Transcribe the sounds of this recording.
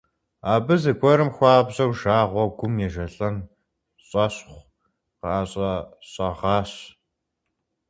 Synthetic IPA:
aːbɨzɨɡʷʼɔɾɨmxʷaːbʑɐwʒaːʁʷɔɡʷʊmjɛʒɐɬɐn | ɕʼɐɕχʷ | qɑaːɕʼɐɕʼɐʁɑːɕ

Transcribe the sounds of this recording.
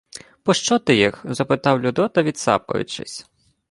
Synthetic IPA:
pɔʃt͡ʃɔt̪ɪjixzɐpɪt̪ɑwlʲʊd̪ɔt̪ɐʋʲid̪sɑ̰pɔ̰jʊ̰t͡ʃɪ̰sʲ

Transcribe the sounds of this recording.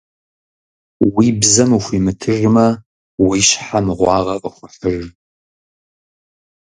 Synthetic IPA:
wiːbzɐmuxʷimɨtʰɨrɨmɐ | wiɕħamɨʁʷɑːʁɐqʼəχʷəħər

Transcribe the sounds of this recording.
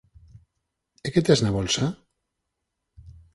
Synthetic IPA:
eket̪eznaβɔlsa

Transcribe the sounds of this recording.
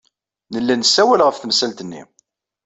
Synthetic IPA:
nəlːænəsːæwælʁəfθəmsælt̪ənːḭ

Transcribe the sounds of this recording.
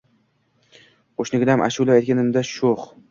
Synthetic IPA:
qoʃnɪɡʲɪd̪amʔa̰ʃulˠaajt̪̚kʲanɪmd̪aʃoχ

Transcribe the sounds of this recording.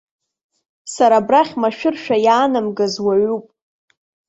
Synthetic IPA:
saɾabraχʲmaʃᶣʊrʃᶣajaːnɨmɡazwaɥupʼ

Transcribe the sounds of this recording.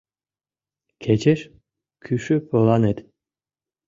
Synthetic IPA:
kʰet͡ɕeʃ | kʰyʃypolˠɑnet̪

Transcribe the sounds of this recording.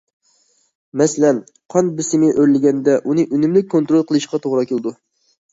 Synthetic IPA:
mɛsɪlɛn | qʰɑnbɪsɪmɪʔøɾlɪɡʲɛnd̪ɛʔunɨʔynymlɪk̚ʲkʰːont̪ɾolˠqʰəlˠɨʃqɑt̪ʰoʁɾɑkʲelˠd̪u

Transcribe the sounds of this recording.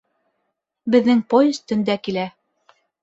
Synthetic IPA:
bɘ̆ðːɘŋpojɵ̆st̪ɵ̆nd̪ækilæ

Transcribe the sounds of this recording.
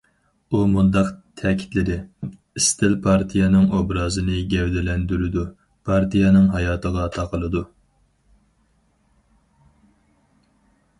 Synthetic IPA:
umund̪ɑqt̪ʰɛkʲʰi̥t̪lɪd̪ɪ | ist̪ʰɪlpʰɑɾt̪ʰijɛnɨŋobɾɑːzɨnɨɡʲɛwd̪ɛlɛnd̪yɾɪd̪u | pʰɑɾt̪ʰijɑnɨŋɦɑjɑːt̪ʰəʁɑt̪ʰɑqʰəlˠɨd̪u

